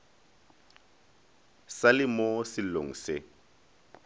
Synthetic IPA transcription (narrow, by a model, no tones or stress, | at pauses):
salɪmosɪlo̰ŋ̩sɪ